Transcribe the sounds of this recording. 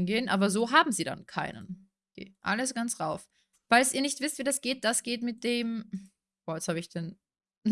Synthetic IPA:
nɡeːənʔa̰ːbɐzoːɦaːbm̩ziːda̰nkʰa̰ɪnə̰n | ɡ̥ḛːʔa̰ləsɡ̥ant͡sʁaʊf | v̥aɪlsʔiːɐnɪçtv̥ɪstv̥iːdasɡ̥eːt̚d̥asɡ̥eːtmɪt̚d̥eːm | b̥ɔːɐjɛshaːbəɪçd̥ɛn

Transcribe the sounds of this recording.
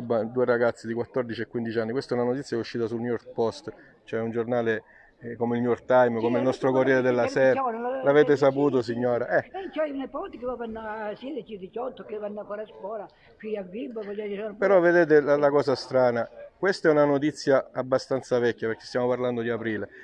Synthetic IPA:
bːad̪uːeɾaɡat̪sːid̪ikwat̪ːɔrd̪it͡ʃiɛkːwind̪it͡ʃanːikwest̪ɛunanot̪it̪sjakɛuʃːiːt̪asulnjɔrk̪pɔst̪ | t͡ʃoɛund͡ʒornaːle | komeilnuɔrkt̪ajmkomeilnɔst̪ɾokorːjɛːɾed̪elːasɛːɾlaveːt̪̬es̬apuːt̪os̬iɲːoːɾaʔɛɛt͡ʃanapɔst̪kɪvɔvanːosɛd̪et͡ʃid̪it͡ʃɔt̪ːokevanːafɔɾaskɔːla | fiavibapɔd͡ʒakisɔːnpeɾɔvːed̪eːt̪̬elalakɔːsast̪ɾaːnakwest̪aɛunanot̪it̪sːjaabːast̪ant̪savɛkːaperk̟ːest̪jaːmoparland̪od̪iapɾiːle

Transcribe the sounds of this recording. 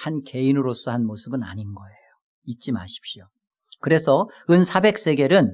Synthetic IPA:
hanke̞inɯɾos͈ʌhanmosʰɯbɯna̰ɲinɡʌejjo | it͡ɕ͈ima̰ɕʰi̥p̚ɕio | kɯɾe̞sʰʌɯnsʰabe̞k̚s͈e̞ɡe̞ɾɯn

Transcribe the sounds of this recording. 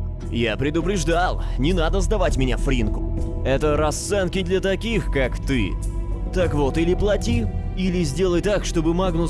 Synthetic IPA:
japɾʲɪd̪ʊpɾʲɪʐd̪alˠnʲɪnad̪əzd̪ɐvatʲmʲɪnʲafɾʲinkʊ̥ɛt̪əɾɐst̪sɛnkʲɪd̪lʲɐt̪ɐkʲixkakt̪ɨ̰ | t̪akvot̪ilʲɪplˠɐtʲi | ilʲɪzʲdʲe̞lˠəjt̪akʂt̪o̞bɨmaɡnʊ

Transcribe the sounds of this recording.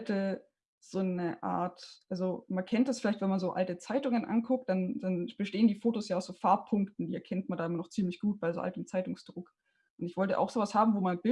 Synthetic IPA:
tə | z̥oːnəʔa̰ːɐtʔalzomankʰɛntd̥asfɪlaɪçtv̥ɛnmanzoːʔa̰ltət͡saɪtʊŋənʔa̰nkʰʊk̚t̚d̥and̥anb̥əʃteːəndiːfoːtosjaːaʊsz̥oːfaɐpʰːʊŋktn̩diːʔɛɐkʰɛnt̚mandaːʔɪmɐnɔχt͡siːmlɪçɡ̥uːt̚b̥aɪzoːʔa̰ltəmt͡saɪtʊŋsd̥ʁʊk | ʔʊntɪçv̥ɔltəʔa̰ʊxz̥oːvashaːbm̩voːmanb̥ɪ

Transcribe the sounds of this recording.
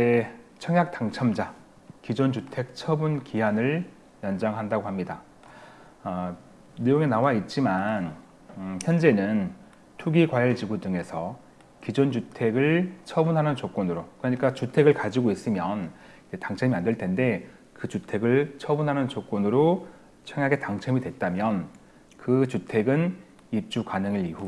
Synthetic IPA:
et͡ɕʰʌŋjak̚t͈aŋt͡ɕʰʌmd͡ʑa | kid͡ʑond͡ʑutʰe̞k̚t͡ɕʰʌbunkiɦanɯɭ | jʌnd͡ʑaŋɦandaɡohamɲida | nɯjoŋe̞nawait̚t͡ɕ͈iman | çjʌnd͡ʑe̞nɯn | tʰuɡikwaʌɭt͡ɕiɡudɯŋe̞sʰʌ | kid͡ʑond͡ʑutʰe̞ɡɯɭt͡ɕʰʌbunɦanɯnt͡ɕok͈onɯɾokɯɾʌɲik͈at͡ɕutʰe̞ɡɯɭkad͡ʑiɡois͈ɯmjʌn | id͡ʑetaŋt͡ɕʰemiandeɭt͈e̞nde̞ | kɯt͡ɕutʰe̞ɡɯɭt͡ɕʰʌbunɦanɯnt͡ɕok͈onɯɾo | t͡ɕʰʌŋjaɡe̞taŋt͡ɕʰemidwe̞t̚t͈amjʌn | kɯt͡ɕutʰe̞ɡɯn | ip̚t͡ɕ͈ukanɯŋiɾihu

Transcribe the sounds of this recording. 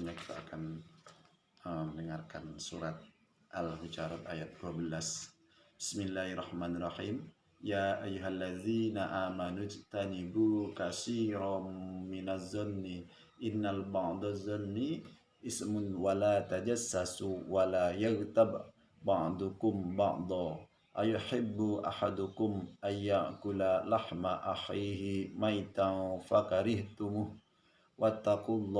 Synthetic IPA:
ɲaki̥t̪ʰa̰ʔakan | əməndəŋarkansuɾat̪̚ | ʔalwit͡ʃaɾat̪ajat̪̚duabəlas | bɪsmilːaːhrˤːɑħmaːnarˤːɑħiːm | jaːʔajːuɦalːaðiːnaʔaːmanud͡ʒt̪anibukasiːɾaminazːɔnːi | ʔɪnːalbɑʕd̪azɔnːi | ʔɪsmʊnwalaːt̪ad͡ʒasːasuwalaːjaɣt̪ab | bɑʕd̪ˤʊkʊmbɑʕd̪ˤɑ | ʔajʊħɪbːʊʔa̰ħad̪ʊkʊmʔanjaʔkʊlalaħmaʔaħiːɦɪmajt̪afakaɾɪht̪ʊmuh | wat̪ːaqulˤː

